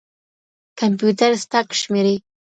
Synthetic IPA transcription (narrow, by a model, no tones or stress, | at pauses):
kampjut̪aɾst̪akʃmeɾe